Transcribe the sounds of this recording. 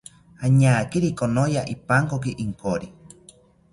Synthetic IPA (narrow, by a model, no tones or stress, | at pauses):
aɲaːkiɾikonojaʔipaŋkok̬iʔiŋkoɾi